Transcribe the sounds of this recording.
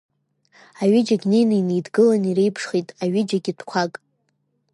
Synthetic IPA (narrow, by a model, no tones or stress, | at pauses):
aɥɪd͡ʒaɡʲne̞jnainejdɡɨlaniɾejpʰʂχitʼaɥɪd͡ʒaɡʲɪdʰkʷʰakʼ